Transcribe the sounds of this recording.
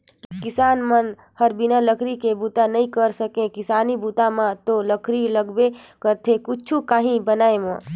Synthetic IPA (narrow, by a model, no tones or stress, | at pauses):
kɪsaːnmən | həɾbinaləkʰɾikebut̪anəĩkəɾsəkẽkɪsaːnibut̪amãt̪oləkʰɾiləɡbekəɾt̪ʰekut͡ʃʰukaːɦĩbənaːemã